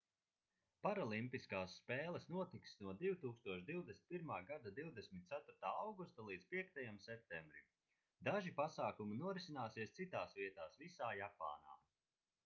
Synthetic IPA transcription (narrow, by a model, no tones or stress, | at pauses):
paɾalˠimpiskaːsːpɛːlˠɛsnuɔt̪ik̪snuɔd̪iwt̪uːkst̪uɔʃd̪iwd̪esʲnpʲiɾmaːɡad̪ad̪iwd̪esʲmʲit̪̚t̪sat̪uɾt̪aːawɡust̪alˠiːd̪zpiɛkt̪ajamsɛp̚t̪ɛmbɾim | d̪aʒipasaːkuminuɔɾisinaːsiɛst̪sit̪aːsviɛt̪aːsvisaːjapa̰ːna̰ː